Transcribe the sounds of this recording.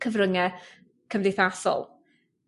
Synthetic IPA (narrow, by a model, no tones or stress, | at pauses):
kʰəvrəŋɛ | kʰəmdejθasɔ̰lˠ